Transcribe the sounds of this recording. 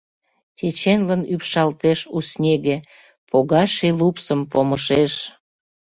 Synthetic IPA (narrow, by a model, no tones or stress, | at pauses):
t͡ɕʲet͡ɕenlənypʃɑlt̪eʃusnʲeɣe | poɣɑʃelupsəmpoməʃeʃ